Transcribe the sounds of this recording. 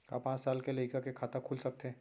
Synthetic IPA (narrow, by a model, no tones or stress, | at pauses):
ka̰pãːt͡ʃsaːlkelɐikakekʰaːt̪akʰuːlsɐk̚t̪eɦɛ̃ː